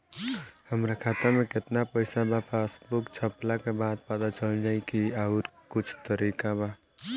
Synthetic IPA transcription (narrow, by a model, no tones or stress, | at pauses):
həmɾakʰaːt̪amẽkɪt̪napəɪsabʱapʰeːsbʊkt͡ʃʰəplakebaːd̪̚pad̪at͡ʃəld͡ʒaːikiaːɾkʊt͡ʃʰt̪əɾiːkabʱa